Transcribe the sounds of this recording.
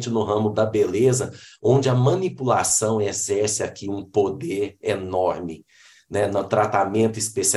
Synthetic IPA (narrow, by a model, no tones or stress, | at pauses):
t͡ʃɪnʊɦɐ̃mʊd̪ɐbelezɐõd͡ʒɪɐmɐ̃nipulasɐ̃w̃ezɛɾsɪakiũpod̪eɾenɔɾmɪ | nɛnɐt̪ɾat̪amẽnt̪ʊispesi